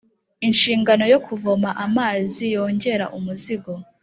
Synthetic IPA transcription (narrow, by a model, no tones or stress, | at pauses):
inʃiːŋɡano̞jo̞kʰuvomaʔamaːzijo̞ːɲɟe̞ɾa̰ʔumuziɡo̞